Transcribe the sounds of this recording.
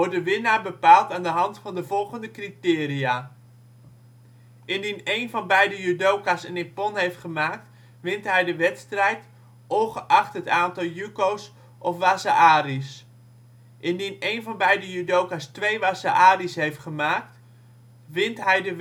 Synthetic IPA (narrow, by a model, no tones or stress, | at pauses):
ɔrdəʋɪnaːbəpaːlˠtaːndəɦɑntfɑndəvɔlˠχəndəkritɪːriaː | ʔɪndinejnvɑnbɛjdəjydowkasənɪpɔnɦejftχəmaːk̚t | ʋɪntɦɛjdəʋɛtstrɛjt | ʔoχəʔɑχtɦətaːntɑlˠjykows | ʔɔfʋaːsaʔaːris | ʔɪndinejnvɑnbɛjdəjydowkastʋejʋaːsaʔaːrisɦejftχəmaːk̚t | ʋɪntɦɛjdə